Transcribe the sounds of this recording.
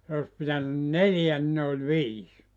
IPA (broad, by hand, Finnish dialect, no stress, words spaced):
se os pitænyn neljæ ni ne olʲ ʋiːs